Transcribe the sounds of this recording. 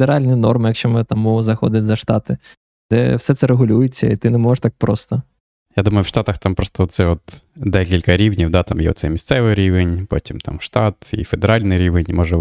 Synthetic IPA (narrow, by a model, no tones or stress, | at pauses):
d̪eɾɑlʲnʲinɔrmɪjɐkʃt͡ʃɔmt̪ɐmuzɐxɔd̪ʲɪtʲzɐʃt̪ɑt̪ɪ | d̪̥ɛ̰wsɛt̪sɛɾeɦʊlʲujʊt͡sʲːɐ̰it̪ɪnɛmɔʐɪʃt̪ɑk̚pɾɔst̪ɔ | jad̪umɐjʊwʃt̪ɑt̪ɐxt̪ɑmpɾɔst̪ɔɔt̪sɛɔt̪d̪ɛkʲilʲkɐɾʲiwnʲiwd̪ɑt̪ɑmjɛ̰ɔ̰t̪sɛ̰jmʲist̪sɛʋɪɾʲiʋenʲpo̰tʲimt̪ɑ̰mʃt̪ɑt̪ḭfed̪eɾɑlʲnɪjɾʲiʋenʲmɔʒɛ